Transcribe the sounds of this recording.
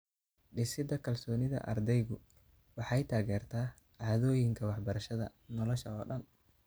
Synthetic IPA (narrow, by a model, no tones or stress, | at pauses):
ɖɪsɪd̪ɐkʰɐlsɔːnɪðɐ̰ʔɐ̰rd̪ɛjɣʊ | wɑħɑjt̪ʰaːɣɛːrt̪ʰaː | ʕɑːðɔːjɪŋkʰɐwɑħbɐɾɐʃɐðɐ̰nɔlɔʃɐɔːɖɐn